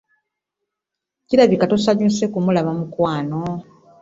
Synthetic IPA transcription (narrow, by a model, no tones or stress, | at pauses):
ciɾaβikatosaɲuse̞kumulaβamukwaːno̞